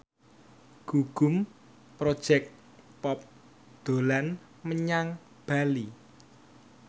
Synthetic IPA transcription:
ɡ̥uɡ̥ʊ̤m | pɾod̥ʒ̥ɛk̚t̪ | pɔp̚ | d̪̥o̤lan | məɲaŋ | b̥ali

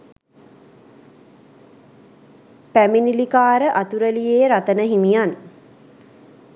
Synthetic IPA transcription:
pæminilikaːɾəʔat̪uɾəlijeːɾat̪ənəɦimijan

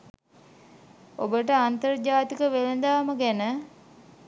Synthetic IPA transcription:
obəʈ̬əant̪ərd͡ʒaːt̪ikəʋelənd̪aːməɡænə

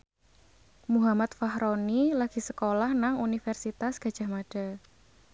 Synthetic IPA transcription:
muɦamat̪̚faɦɾonilaɡ̥i̤səkolahnaŋunifɛrsit̪asɡ̥a̤d̥ʒ̥a̤hmaɖ̥a̤

